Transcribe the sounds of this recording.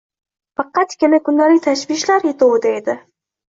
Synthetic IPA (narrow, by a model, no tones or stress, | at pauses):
fɑqɑt̪kʲɪnakʊnd̪alɪk̚ʲt̪ʰaʃbɪʃlaɾet̪owd̪aed̪ɪ